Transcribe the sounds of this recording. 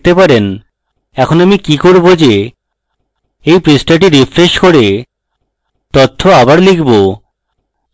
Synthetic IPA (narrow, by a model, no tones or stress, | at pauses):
t̪epaɾen | ɛkʰonamikikoɾbod͡ʑe | ejpɾisʈaʈ̬iɾifɾeʃkoɾe | t̪ot̪ʰːoabaɾlikʰbo